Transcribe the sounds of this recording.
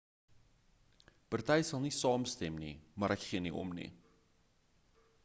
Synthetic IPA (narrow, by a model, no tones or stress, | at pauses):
pɑrtɛjsɐlˠnisɑːmstɛmnḭmɑɾʔɛkχiəniʔɔ̰mnḭ